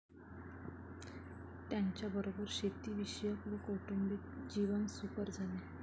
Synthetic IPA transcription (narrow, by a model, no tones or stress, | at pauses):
t̪jaɲt͡ɕjabəɾobəɾɕet̪iːʋiɕəjəpʋikoʈumbik̚d͡ʑiʋənsupəɾd͡zʱale